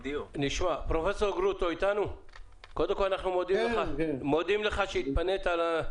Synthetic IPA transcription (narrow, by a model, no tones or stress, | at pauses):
dniʃmapʁofesoʁɡʁut̪oit̪anu | kod̪emkolanaχnumod̪imleχamod̪imleχaʃeit̪panet̪ala